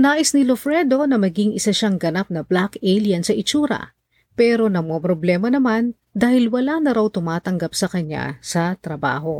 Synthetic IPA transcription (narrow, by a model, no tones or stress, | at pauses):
naːʔɪsnɪlofɾɛd̪o̞nɐmɐɡiŋʔɪsaʃaŋɡɐnap̚nɐblakɛliɐnsɐʔɪt͡ʃuːɾɐ̰ | pɛːɾo̞nɐŋmopɾoblɛːmɐnɐman | d̪aːhɪlwɐlanɐɾawt̪ʊmaːt̪ɐŋɡapsɐkɐɲa̰sɐt̪ɾɐba̰ːɦo̞